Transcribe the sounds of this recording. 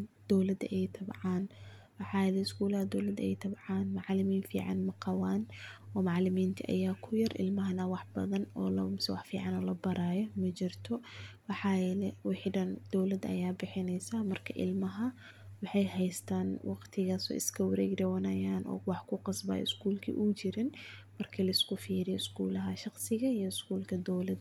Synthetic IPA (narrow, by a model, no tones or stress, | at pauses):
d̪̥ɔwlɐd̪ɐ̰ʔɛjt̪ʰɐbʕɑn | wɑħɑːjɛlɛɪskʰuːlɐhɐd̪ɔwlɐd̪ɛ̰jt̪ʰɐbʕɑnmɑʕlɪmiːnfḭːʕɑ̰nmɐqɑwaːnɔːmɑʕlɪmiːnt̪ʰiʔɐ̰jaːkʰʊjɐrʔɪ̰lmɐɦɐnɐwɑħb̥ɐ̰ðɐnɔːlɐmsɛwɑħfiːʕɑnɔlɐbɐɾaːjɔmɐt͡ʃɪrt̪ʰɔwɑħɑːjɛlɛwɪħɖɐnd̪̥ɔwlɐd̪ɐ̰jaːbɪħɪnɛjsaːmɐrkʰɐʔɪ̰lmɐɦɐ | wɑħɑjɦɛjst̪ʰaːnwɑqt̪ʰɪɣaːsɔ̰ːɪ̰skʰɐwɐɾɛ̰ːɡd̪ɐwɐnɐjaːnʔɔ̰ːwɑħkʰʊqɑsbɐ̰ːjɪ̰skuːlkʰḭːʔuːt͡ʃɪɾɪnmɐrkʰilɐɪskʊfiːɾɪjɔɪskuːlɐɦɐʃɑqsɪɣɐijɔɪskuːlkʰɐd̪ɔwlɐd̪